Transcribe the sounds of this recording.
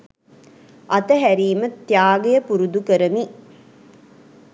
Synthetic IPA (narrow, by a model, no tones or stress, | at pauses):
ʔɐt̪əɦæɾiːmɐt̪ːjaːɡejəpuɾud̪ukəɾəmi